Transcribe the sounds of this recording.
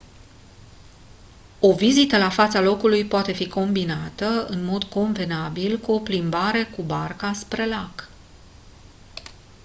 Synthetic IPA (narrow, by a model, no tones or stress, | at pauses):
o̞vizit̪əlafat̪salo̞kulujpoat̪e̞fiko̞mbinat̪əɨ̰nmo̞d̪ko̞nve̞nabilkuo̞plimbaɾe̞kubarkaspɾe̞lak